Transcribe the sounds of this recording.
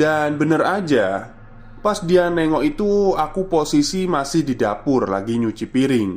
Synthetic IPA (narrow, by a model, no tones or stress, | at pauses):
d̥anbənərad͡ʒa | pasdianɛŋɔʔit̪uakuposisimasɪhdidapʊrla̰ɡiɲut͡ʃipiɾɪŋ